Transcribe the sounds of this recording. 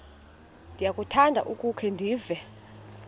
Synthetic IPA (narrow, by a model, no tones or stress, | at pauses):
ndʱijakʼutʰandʱa̰ʔukʼukʰɛndʱiːvɛ